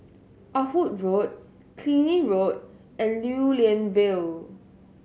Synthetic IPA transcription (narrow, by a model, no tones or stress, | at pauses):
ʔafut̚ɹot̚ | kʰlĩniɹot̚ | ɛ̃nljuliə̃nvɪl